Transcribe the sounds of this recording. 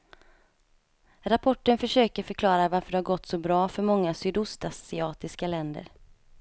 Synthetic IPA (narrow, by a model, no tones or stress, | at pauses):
ɾapʰɔʈːənfœʂøːkəɾfœɾkʰlɑːɾavaɾfœɖɛhaɾɡɔt̪ːsɔbɾɑːfœɾmɔŋːasyːd̪ʊst̪assɪɑːt̪ɪskalɛnd̪ə̰ɾ